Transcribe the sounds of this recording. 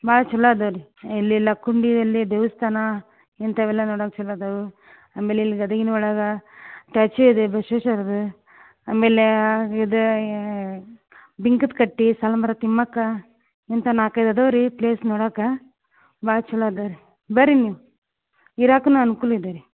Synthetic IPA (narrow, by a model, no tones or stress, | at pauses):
baːt͡ʃulːaːd̪ɐʋɾiilːilɐkːuɳɖid̪ɐlːid̪eʋɐst̪ʰaːnɐ | int̪ɐʋɛlːɐnɔːɽakt͡ʃulːad̪ɐʋu | aːmeːleilːiɡɐd̪ɐɡinɔɭɐɡɐʈaːt͡ʃuid̪ebɐʃeʃɐɾɐd̪u | aːmeːleid̪u | biŋkɨt̪kɐʈːisɐlɐmɐɾɐt̪imːɐkːɐ | int̪ɐnaːkɐjd̪ɐd̪ɐʋɾipleːsnoːɽaːkɐ | baːt͡ʃulːaːd̪ɐʋɾi | bɐɾiniʋu | iɾaːknuɐnukulid̪ɐɾi